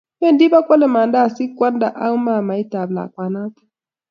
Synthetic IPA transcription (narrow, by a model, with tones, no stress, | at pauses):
ɛ˦ndi˦βa˦kwa˦lɛ˨ma˨nda˦˨si˦kwa˦nda˨ʔa˦u˦ma˦˨ma˨i˦ta˨bla̰˨kwa˨na˦tu̥˦